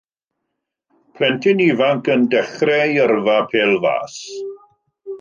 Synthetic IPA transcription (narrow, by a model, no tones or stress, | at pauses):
pʰlɛntʰɪnivaŋkəndɛχrɛjərvapʰeːlˠva̰ːs